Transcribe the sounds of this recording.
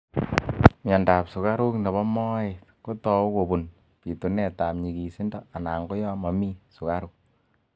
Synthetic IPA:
ma˨nda˨psu˨ka˦ɾu˦kne˨βɔ˦mɔ˦etko˦tɔ˨˦ko˨bu˨n | pi˨tu˨nɛ˨ta˨pɲi˨ki˨si˦ndɔ˦a˨na˨ŋɡo˦jɔ˦ma˨mi˦su˨ka˦ɾuk̚

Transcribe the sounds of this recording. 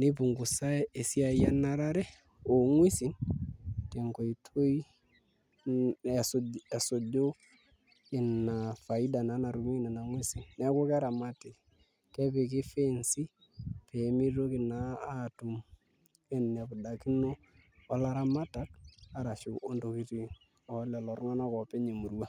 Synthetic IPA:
nɪ˦pu˨ŋɡu˨sa˦e˨si˦a˨ja˦na˨ɾa˦ɾɛ˦ | o˨ŋwi˦si˨n | te˨ŋko˨i˨tʰo˦i˦ | a˨sa˨so˨do˦ | ɪ˨na˨fa˨i˦da˨na˨˦na˨ɾu˨mi˦na˨na˨ŋwi˦si˨nnɛ˦a˦ko˦ka˦ɾa˨ma˦te˨ | ke˦pɪ˨k̬ɪ˦fe˦nsi˦ | pʰe˨˦mi˦ɾo˦kɪ˨naː˦tu˨m | ɪ˦nːe˨pʊ˨da˨ki˦no˦ | wa˦la˦ɾa˦ma˦ta˨˦ka˦ɾa˨ʃu˨ʔo˨ndo˨ki˨ti˨ | ɔ˨lɛ˨lɔ˨ɾŋa˦na˦kɔ˨pe˦ɲe˨mu˨ɾwa˦

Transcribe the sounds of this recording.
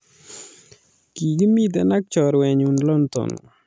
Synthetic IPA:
ki˨ɡi˦mi˦d̪ɛ˨na˦k̚t͡ʃɔ˨ɾwɛ˨ɲu˨nlɔ˦nt̪ɔ̰˨n

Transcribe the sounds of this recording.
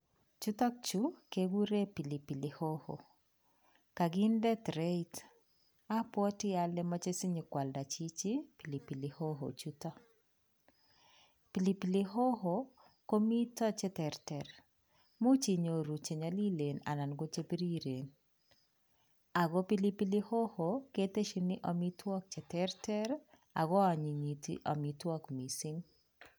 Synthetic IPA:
t͡ʃu˦tɔ˦k̚t͡ʃu˦ke˦ɡu˦ɾe˦pi˨li˨pi˨lɪho˦ho̰ | ka˨ɡɪ˦ndɛ˦t̪ɾe˦it | a˦pwɔ˦tɪ˦a˨lɛ˦mɔ˦t͡ʃe˦si˦ɲi˨kwa˨lda˨t͡ʃi˦t͡ʃi˦pi˨li˨pi˨lɪ˨ho˦ɦo̰˨t͡ʃu˦tɔ˦ | pi˨li˨pilɪ˦ɦo˦ɦo˨ | ko˦mi˦tɔ˦t͡ʃɛ˦tɛ˨rtɛ˨ɾ | mu˦t͡ʃi˨ɲo˨ɾu˨t͡ʃe˨ɲɔ˨li˦le˨na̰˨na˨nɡo˦t͡ʃe˦pi˦ɾi˦ɾe˨n | a˨ɡo˦pi˦li˦pi˦lɪ˦ho˦ho˨ke˦te˦ʃi˨nɪ˦ʔɔ˨mi˦twɔ˦k̚t͡ʃɛ˨tɛ˦ɾtɛ˦ɾ | a̰˨ɡɔ˦a˨ɲi˨ɲi˨tḭ˦ʔɔ˨mi˨twɔ˦kmi˨si˦ŋ

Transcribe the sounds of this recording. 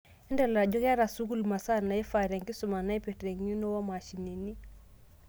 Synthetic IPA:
ɛ˦ndala˨ɟo˦ka˦ɾa˨su˦ku˦˨lma˨sa˦na˨i˦fa˨ɾa˨ŋki˦su˨ma˨na˦i˦pe˨tɾe˨ŋɲi˦no˦wa˦ma˨ʃi˨ni˨ni˦

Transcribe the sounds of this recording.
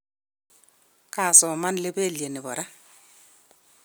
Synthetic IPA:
ka˨sɔ˨ma˦nle˦be˦˨lje˨nɪ˨bɔ˨ɾa˦

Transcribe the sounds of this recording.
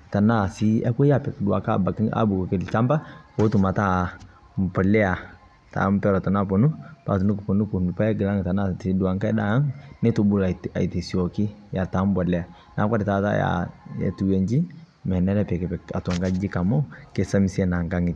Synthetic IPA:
ta˨na˦˨si˦ɛ˦kʷe˦ja˦˨pɛ˨kdu˨a˨ka˦˨ba˨ki˦ŋa̰˦bu˨kki˨lt͡ʃa˦mba˦o˦tu˨ma˨ta˦ | m˨pɔ˨lɛ˦a˨ | ta̰˨˦m˦pɛ˦ɾɔ˨ta˨n˦a˦˨po˨nu˦pa̰˨tu˨nu˦kpo˨nu˦ku˨nu˨pa˦ɛ˦ɡɪ˨la˦ŋ˨ta˨na˦˨ti˨˦du˨a˨ŋka˦da˨˦ŋne˦tu˨bu˦la˨a̰˨i˨te˨si˨ɔ˨kɪ˦ja˨ta˨˦m˦bɔ˨lɛ˦a˨ | na˨˦ka˦ɾi˨ta˨˦ta̰˦ja̰˨ɛ̰˨tu˨we˨ɲd͡ʒi˦ | mɛ˨nɛ˦lɛ˦pɛ˨kɛ˨pɛ˨ka̰˨ta˨ŋɡa˦d͡ʒi˦ka˨mɔ˦ke˨sa˦mi˨si˦ɛ˦˨na˨ŋɡa˦ŋi˨t

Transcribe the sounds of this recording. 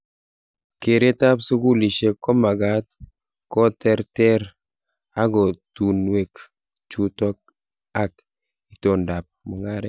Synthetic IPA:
ke˨ɾe˦ta˦pso˦ɡu˦li˨ʃe˦kɔ˦ma˨ɡa˦t̚ | kɔ˦tɛ˦ɾtɛ˦ɾ | a˦ɡɔ˨tu˨nwe˨k | t͡ʃu˦tɔ˦k̚ | a˦k̚ | i˨tɔ˨nda˨p̚mʊ˨ŋa˦ɾɛ˦

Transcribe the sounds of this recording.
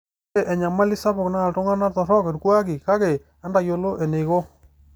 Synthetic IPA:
e˦˨ʔɛ˨ɲa˨ma˦li˦sa˦βʊ˨kna˦˨ltʊ˦ŋa˦na˦tɔ˨ɾɔ˦ke˨ɾkwa˦ki˨ka˦ɣe˨ | a˦nda˨jo˨lo˦ʔɛ˨ne˨jɣo˦

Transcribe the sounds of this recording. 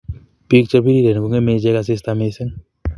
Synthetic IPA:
pi˦k̚t͡ʃə˧pi˦ɾi˦ɾe˨n˨ku˧ŋe˦me˧d͡ʒe˧kas̬ɪ˧st̪ame˧se˦ŋ

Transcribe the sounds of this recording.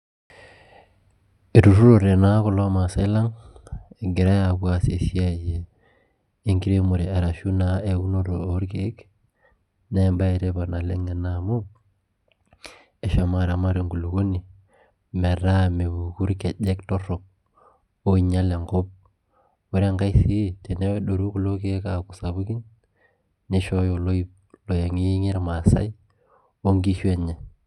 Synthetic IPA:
e˨tu˨ɾu˦ɾo˨ɾe˨na˦ko˦lo˦ma˨se˦la˦ŋe˨ɡe˨ɾa˦ja˨βwa˦se˨si˦a˦˨jeː˨˦ | ŋki˦ɾe˦mo˨ɾi˨a˨ɾa˨ʃu˦na˨e˨u˦no˦ɾo˨o˨˦ɾke˨˦k | ne˦˨mba˦e˨ɾe˦ba˨na˨le˦ŋe˨na˨mo˦p̚ | e˨ʃa˨ma˦ɾa˨ma˦ɾe˨ŋɡu˨lo˨ɡo˦ni˨ | mɛ˨ɾa˦me˨βu˨ku˦ɾke˨ʄɛ˦ktɔ˦rɔ˨k̚ | o˦i˨ɲa˦le˨ŋɡɔ˦p̚ | wɛ˦ɾa˦ŋɡa˦i˦si˦te˨ne˦wɛ˦ɗo˨ɾu˦ku˦lo˦ke˦ka˨ku˨sa˨βu˦ki˦n | ne˦ʃɔ˦jo˨lo˦i˦ | lo˨je˨ŋi˦ŋe˦ɾma˨sa̰˦i˦ | o˦ŋɡi˦ʃwɛ˨ɲɛ˨

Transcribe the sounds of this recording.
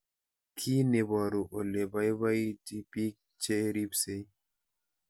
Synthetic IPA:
kʰi˦ne˨ba˨ɾu˨ʔo˨le˨ba˦jβa˦jti˦pi˦k̚ | t͡ʃe˦ɾi˦pse˦j

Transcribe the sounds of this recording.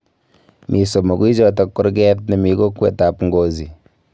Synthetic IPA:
mʔi˨so˨mo˨ɡwi˦d͡ʒɔ˦tɔ˦kːu˦ɾɡɛ˦tni˨mi˨ɡo˦kːwɛ̰˨ta˨pŋɡo˦zi˨

